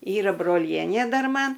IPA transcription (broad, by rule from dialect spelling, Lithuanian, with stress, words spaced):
ˈiːrɐ broːˈlʲiɛnʲeː ˈdɐr ˈmɐn